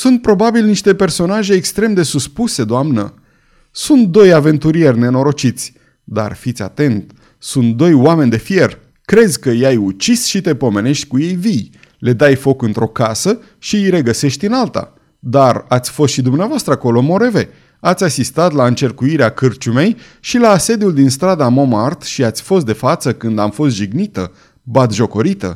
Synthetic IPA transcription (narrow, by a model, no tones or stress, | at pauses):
sunt̪̚pɾo̞babilniʃt̪e̞pe̞rso̞naʒe̞ːkst̪ɾe̞md̪e̞suspuse̞d̪oamnə̰ | sunt̪̚d̪o̞jave̞nt̪uɾije̞rʲne̞no̞ɾo̞t͡ʃit̪sʲ | d̪a̰rfit̪sʲa̰t̪e̞nt̪ | sunt̪̚d̪o̞jwame̞nʲd̪e̞fije̞r | kɾe̞zʲkəjajut͡ʃisʃit̪e̞po̞me̞ne̞ʃt̪ʲkuje̞jvij | le̞d̪ajfo̞kɨnt̪ɾʔo̞kasə | ʃijɾe̞ɡəse̞ʃt̪ʲɨnalt̪a̰ | d̪arat̪sʲfo̞st̪ʃid̪umneavoast̪ɾəako̞lo̞mo̞ɾe̞ve̞ | at̪sʲasist̪at̪laɨnt͡ʃe̞rkuiɾeakɨrt͡ʃume̞j | ʃilaːse̞d̪juld̪inst̪ɾad̪amo̞mart̪ʃiat̪sʲfo̞st̪d̪e̞fat̪səkɨnd̪amfo̞st̪ʒiɡnit̪ə | bat̪ʒo̞ko̞ɾit̪ə̰